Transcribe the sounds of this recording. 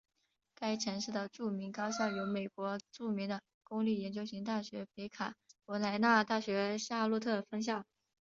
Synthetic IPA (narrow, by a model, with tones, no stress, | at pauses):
ka˥ɪʈ͡ʂʰɤ˧˥ŋʂɻ̩˥˩d̪ə˩ʈ͡ʂu˥˩mi˧˥ŋkɑ˥ʊɕjɑ˥˩ʊjo˧˥ʊme˨˩ɪkwɔ˧˥ʈ͡ʂu˥˩mi˧˥ŋd̪ə˧ | kʊ˥ŋli˥˩jɛ˧˥nt͡ɕjo˥ʊɕi˧˥ŋt̪̬a˥˩ɕɥɛ˧˥pe˧˥ɪkʰa˨˩˦kwɔ˧˥la˧˥ɪna˥˧t̪a˥˩ɕɥɛ˧˥ɕja˥˧lu˥˧t̪ʰɤ˥˩fɤ˥ŋɕ̬jɑ˥˩ʊ